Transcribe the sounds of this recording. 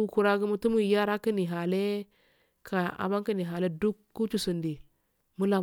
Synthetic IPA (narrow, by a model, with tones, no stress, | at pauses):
u˦ku˨ɾa˦ɡu˦mu˦tu˦mu˦˨˦ja˦ɾa˦ki˦ni˨ɦa˨le˦ | kʰa˨a̰˨ba˦ŋki˦ni˨ɦa˨le˦du˦kːu˦t͡ʃu˦su˨ndi˨ | mu˦la˨